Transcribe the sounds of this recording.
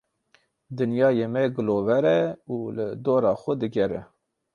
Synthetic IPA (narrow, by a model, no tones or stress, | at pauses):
d̪ɨnjɑːjeːmɛɡɨloːvɛɾɛuːləd̪oːɾɑːxʷəd̪ɨɡɛɾɛ